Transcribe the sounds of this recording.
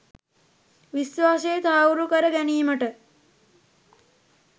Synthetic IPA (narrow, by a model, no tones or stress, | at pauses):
ʋisʋaːsejːt̪ʰaːuɾukəɾəɡæniːməʈə